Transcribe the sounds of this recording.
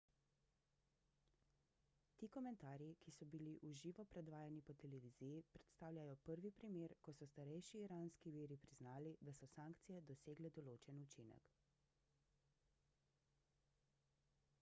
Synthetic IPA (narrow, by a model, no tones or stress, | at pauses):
t̪iːkɔmɛnt̪aːɾjikisɔbiliʔuʒiːʋɔpɾɛd̪ʋaːjanipɔt̪ɛlɛʋiːzijipɾɛt̪st̪aːwlʲajɔpəɾʋipɾimeːɾkɔsɔst̪aɾɛjʃiːɾaːnskiʋiːɾipɾiznaːlid̪asɔsaːŋkt̪sijɛd̪ɔseːɡlɛd̪ɔloːt͡ʃɛnut͡ʃinɛ̰k